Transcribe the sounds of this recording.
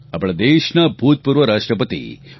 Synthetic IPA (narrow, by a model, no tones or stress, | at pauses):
ɐpɐɭɐd̪eːʃnabʱuːt̪̚puɾʋɐɾaːʂʈɾɐpɐt̪ḭ